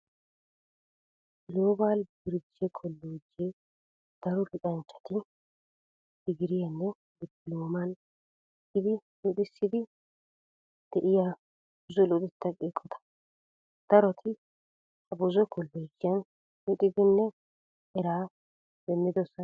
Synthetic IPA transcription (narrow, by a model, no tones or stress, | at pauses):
loːbaːlbɪɾd͡ʒɛkʰɔlːoːd͡ʒe | d̪̥ɐɾɔlɪkʼɐnt͡ʃːɐ̥t̪ɪ | d̪̥ɪɡɪɾɪjɐnːɛ | bɪdɪloːmɐn | ɪd̪ɪlɔd̪ɪsːɪd̪ɪ | d̪̥ɛʔɪja | ʊzɔlɔd̪ɪt̪ːɐkʼeːkʼːɔt̪ɐ̥ | d̪̥ɐɾɔt̪ʰɪ | ɐbʊzɔkɔlːoːd͡ʒɪjɐn | lɔt̪ʼɪd̪ɪnːɛ | ɛɾaː | bɛmːɪd̪ɔsɐ